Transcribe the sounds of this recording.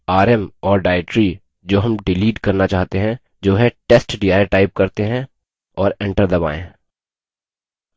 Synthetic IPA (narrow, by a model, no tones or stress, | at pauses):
aːɾɛmɔːɾɖaːɪʈɾi | d͡ʒoːɦɐmɖɪliːʈkɐɾnat͡ʃaːɦt̪eɦɛ̃ | d͡ʒoːɦɛ̃ʈeːsʈɖiaːjʈaːɪp̚kɐɾt̪eɦɛ̃ | ɔːɾɛ̃ɳʈəɾd̪ɐba̰ːḛ̃ː